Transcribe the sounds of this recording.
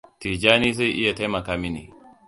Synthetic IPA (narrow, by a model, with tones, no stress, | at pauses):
tiː˨d͡ʒaː˦niː˦za˦jʔɪ˦ja˨ta˦jmɐ˨kaː˦mɪ˦nḭ˨